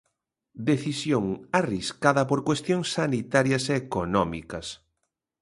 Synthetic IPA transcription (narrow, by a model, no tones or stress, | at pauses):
d̪eθisjoŋariskaðɐpoɾkwest̪jõŋsːanit̪aɾjɐseːkonɔmḭkɐs